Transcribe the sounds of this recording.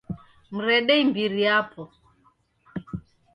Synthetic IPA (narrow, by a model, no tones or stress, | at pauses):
m̩ɾɛɗɛimbiɾiapʰɔ